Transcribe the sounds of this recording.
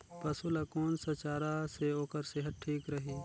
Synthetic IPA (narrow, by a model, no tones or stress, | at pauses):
pɐsulɐkoːnsɐt͡ʃaːɾaseoːkəɾseːɦət̪̚ʈʰiːkɾɐɦiː